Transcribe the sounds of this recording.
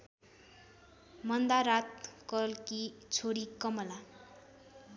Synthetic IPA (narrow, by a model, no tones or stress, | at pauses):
mʌnd̪aɾat̪̚kʌlkit͡sʰoɽikʌmʌla